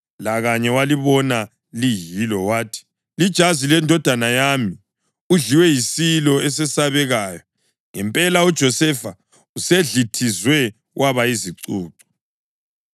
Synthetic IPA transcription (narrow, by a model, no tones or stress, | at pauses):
laɣaɲɛwaliβɔna | lijilɔwaːtʰi̥ | lid̥ʒ̥ʱazilɛndʱɔd̥ʱanajaːmi | uɮiwɛjisilɔɛs̬ɛsaβɛɣaːjɔ | ŋɛmpʼɛlaud̥ʒ̥ʱɔsɛfa | useɮitʰizwɛ | wʔaβaiziǀuːǀɔ̥